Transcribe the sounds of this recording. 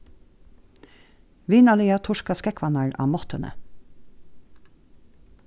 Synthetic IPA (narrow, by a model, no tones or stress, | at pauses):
ʋiːnɑliːɑt̪ʰʊʃkɑskɛkʰʋɑnɑɹɑ̰ːmɔt̪ʰənə̰